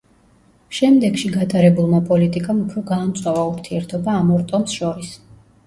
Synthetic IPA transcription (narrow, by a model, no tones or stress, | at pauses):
ʃɛmd̪ɛɡʃiɡat̪ʼaɾɛbulˠmapʼɔlit̪ʼikʼamupʰɾɔɡaːmt̪sʼwavauɾt̪ʰiɛɾt̪ʰɔbaːmɔɾt̪ʼɔmsʃɔɾis